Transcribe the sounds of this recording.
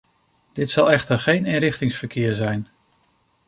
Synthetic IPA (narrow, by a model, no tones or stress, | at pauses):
d̥ɪtsɑlˠɛχtəɹχejnɪnɾɪχtɪŋsfəɹkɪːɹzɛjn